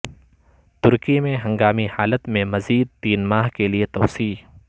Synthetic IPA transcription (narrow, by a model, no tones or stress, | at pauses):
t̪ʊɾkimẽɦɐ̃ŋɡaːmihaːlət̪mẽmɐziːd̪̚t̪iːnmaːɦkeliet̪ɐːsiː